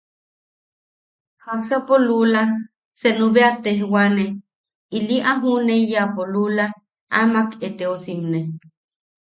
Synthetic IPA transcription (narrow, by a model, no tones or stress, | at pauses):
haksapolula | senuβeat̪ehwane | iliʔaɦunejapolula | amaket̪eosimne